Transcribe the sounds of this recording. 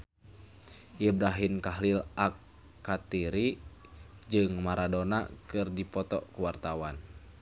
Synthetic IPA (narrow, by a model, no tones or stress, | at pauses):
ʔibɾaɦimkaɦlilakː | at̪iɾi | d͡ʒɨŋmaɾadona̰kɨrdipɔt̪ɔ̰kuwart̪awan